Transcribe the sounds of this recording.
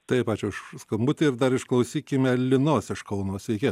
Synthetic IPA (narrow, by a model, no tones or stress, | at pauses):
t̪ɐɪpɑːt͡ʃʲʊɪʃskɐmbʊt̪ʲɪɪɾd̪ɐɾɪʃklˠɐʊsʲiːkʲɪmʲɛlʲɪnoːsɪʃkɐʊnoːsʋʲɛɪkʲeː